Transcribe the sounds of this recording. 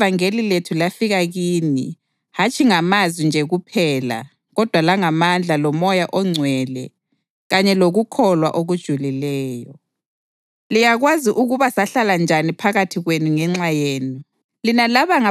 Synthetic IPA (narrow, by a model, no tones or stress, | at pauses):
vaŋeliletʰulafiɣaɣiːnḭ | hat͡ʃʼʰiŋamazwind͡ʒʱɛɣupʰɛːla̰ | ɣɔd̥ʱwalaŋamand͡ɮʱalɔmɔjaʔɔŋ͡ǀʱwɛlɛ | ɣaɲɛloɣukʰɔlwa̰ʔoɣud̥ʒ̥ʱulilɛːjɔ | lijaɣwaziʔuɣuβasaɬaland͡ʒʱanipʰaɣatʰiɣwenuŋɛŋ͡ǁajeːni | linalaβaŋa